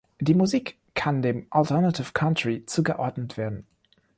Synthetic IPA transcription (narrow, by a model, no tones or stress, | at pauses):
d̥iːmuziːkʰː | andeːmʔaltʰɛɐnatʰɪfkʰantʁ̥it͡suːɡəʔɔɐdnətv̥eːɐdn̩